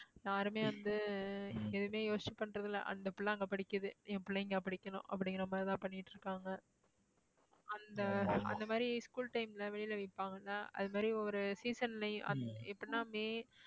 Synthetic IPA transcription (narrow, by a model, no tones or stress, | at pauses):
jaːɾɯmeːʋɐnd̪ɯ | ɛðɯmeːjoːst͡ʃːipːɐɳːɾɐðɯlɐ̰ʔɐ̰nd̪ɐpʊɭːɐːŋɡɐpɐɽɪkːɯðɯɛ̃pʊlːɐɪŋɡɐpɐɽɪkːɐnʊ̰̃ʔɐpːɐɽɪŋɡɐɐmːat̪ãːpɐɳːɪʈːɾɯkːaːŋɡɐ | ɐnd̪ɐɐ̰nd̪ɐmaːɾiskuːlʈɐɪmlɐʋɛɭɪjlɐʋɪpːaːŋɡɐnːaːʔɐ̰ðɯmaːd̪ɾiɔɾɯsiːsɐnlɐj̰̃ʔɐ̰ɛpːɐɽɪnaːmeː